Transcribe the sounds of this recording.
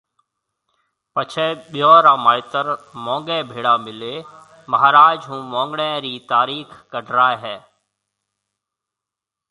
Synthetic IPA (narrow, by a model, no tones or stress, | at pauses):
pət͡ʃʰɛːɓɪjoːɾãːmaːɪt̪əɾmɔ̃ːŋɡɛ̃ːbʱeːɽaːmɪleː | məɦaːɾaːd͡ʒɦũːmɔ̃ːŋɡɽɛ̃ːɾiːt̪aːɾiːkkəɖʱɾaːeɦɛː